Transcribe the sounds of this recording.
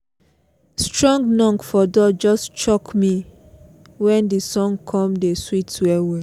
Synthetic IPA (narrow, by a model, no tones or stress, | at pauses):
stɹɔ̃ŋɡnɔ̃ŋkfɔdɔd͡ʒɔstt͡ʃɔkmi | wɛ̃ndisɔ̃ŋɡkʰɔ̃mdeswitwɛwe